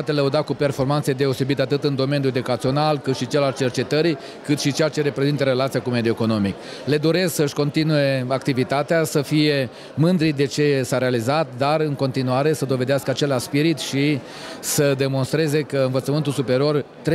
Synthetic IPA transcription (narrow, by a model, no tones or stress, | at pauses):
at̪eləud̪akupe̞rfo̞rmant̪sed̪e̞o̞se̞bit̪eat̪ɨt̪ɨnd̪o̞me̞njuled̪ukat̪sio̞nalkɨt̪ʃit͡ʃelalt͡ʃe̞rt͡ʃe̞t̪əɾi | kɨt̪ʃit͡ʃejat͡ʃe̞ɾe̞pɾezint̪əɾe̞lat̪sijakume̞d̪ioeko̞no̞mik | le̞d̪o̞ɾe̞sksəɨʃko̞nt̪inue̞akt̪ivit̪at̪easəfije̞ | mɨnd̪ɾid̪e̞t͡ʃe̞saɾealizat̪̚d̪arɨŋko̞nt̪inuaɾe̞səd̪o̞ve̞d̪easkəat͡ʃe̞laspiɾit̪ʃi | səd̪e̞mo̞nst̪ɾe̞ze̞kəɨnvət̪səmɨnt̪ulsupe̞ɾio̞rt̪ɾ